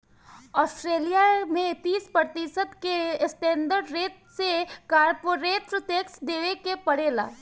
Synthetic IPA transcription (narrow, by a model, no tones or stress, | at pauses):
ɔːsʈɾeːlijamẽt̪iːspɾət̪isəd̪kesʈẽːnd̪əɾɖɾeːt̪sekaːɾpoːɾeːt̪ɾʊt̪eːksd̪eːʋekepɐɽeːla̰ː